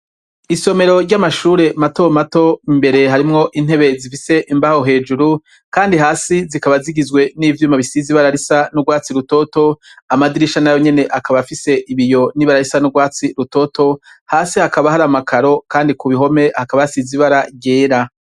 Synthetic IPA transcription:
iso̞me̞ɾo̞ɾɟamaʃuːɾe̞mato̞mato̞imbe̞ɾe̞ɦaɾimŋo̞ʔin̥he̞βe̞zifise̞ʔimbaho̞ɦe̞ːd͡ʒuɾu | kaːndiɦaːsizikaβaziɡizwe̞nivjuːmaβisiziβaɾaɾisanuɡwaːt͡siɾuto̞to̞amadiɾiʃanajo̞ɲe̞ne̞ʔakaβafise̞ʔiβijo̞niβaɾaɾisanuɡwaːt͡siɾuto̞to̞haːsihakaβaɦaɾamakʰaɾo̞kaːndikuβiɦo̞me̞hakaβajasiziβaɾaɟe̞ːɾa

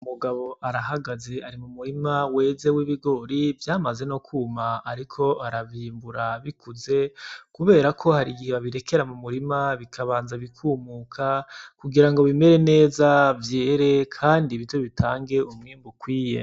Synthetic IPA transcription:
umuɡaβo̞ʔaɾaɦaɡaze̞aɾimumuɾimawe̞ːze̞wiβiɡo̞ɾivjaːmaze̞nokʰuːmaːɾikʰo̞aɾaβiːmbuɾaβikuze̞kuβe̞ːɾakʰo̞haɾiɡiheβaβiɾe̞ke̞ɾamumuɾimaβikʰaβaːnzaβikʰuːmuːkʰakuɡiɾaŋɡo̞βime̞ɾe̞ne̞ːzavje̞ːɾe̞kʰaːndiβito̞βitʰaːŋɡe̞umŋiːmbukwiːje̞̰

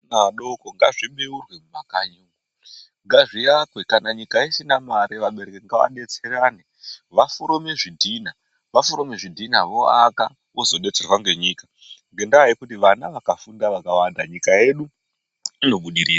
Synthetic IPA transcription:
naɗokoŋɡaʐiɓeurwe̞mumakaɲuːŋɡo | ŋɡaʐijakwekanaɲikaisinamaɾeʋaɓe̞ɾekeŋɡaʋa̰ɗe̞t͡seraːne | ʋafuɾomeʐidʱiːna | ʋafuɾomeʐidʱinaʋo̞aka | ʔozo̞ɗe̞t͡serwaŋɡe̞ɲiːka | ŋɡe̞ndaːjikutiʋanaʋakafundaʋakawandaɲikae̞ɗu | ino̞ɓuɗiɾiːra

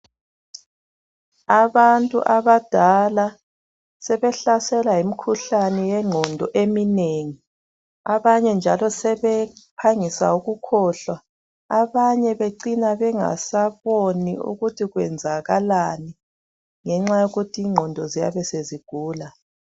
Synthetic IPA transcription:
aβantʼṵʔaβad̥ʱala | sɛβɛɬasɛlajimikʰuɬanɛjɛŋ͡ǃʱɔndʱɔ̰ʔemineŋi | aβaɲɛnd͡ʒʱalɔsɛβɛpʰaŋisa̰uɣukʰɔːɬwa | aβaɲɛβeǀinaβɛŋa̰saβoniṵɣutʰiɣwɛnd͡zʱaɣalani | ŋɛŋ͡ǁajoɣutʰiːŋ͡ǃʱɔndʱɔzija̰βɛseziɡ̥ʱuːla

